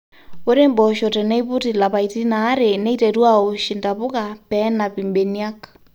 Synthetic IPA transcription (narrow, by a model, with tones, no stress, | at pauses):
o˦ɾe˦mbɔ˨ʃo˨tɛ˨nɛ˦i˦βu˦ti˨la˨βa˨i˨ti˦naː˦ɾe˨ne˦iteɾwa˦o˨ʃinda˨βo˦ka˨pɛ˦na˨pi˨mbe˨nja˦k